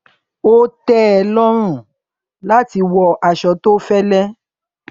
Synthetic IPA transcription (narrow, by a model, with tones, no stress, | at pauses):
o˦tɛ˦ɛ˨lɔ˦ɾ̃ũ˦˨ | la˦ti˧wɔ˧ʔa˨ʃɔ˨˦to˦fɛ˦lɛ˦